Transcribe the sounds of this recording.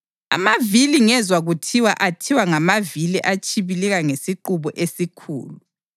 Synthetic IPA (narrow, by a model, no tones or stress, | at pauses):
a̰maviliŋɛzwaɣutʰiwaʔatʰiwaŋamaviliʔat͡ʃʰʼiβilɛɣaŋesiǃuβɔʔesikʰṵːlu